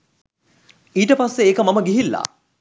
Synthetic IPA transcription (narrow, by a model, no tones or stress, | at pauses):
iːʈəpasːeːkəmaməɡiɦilːa̰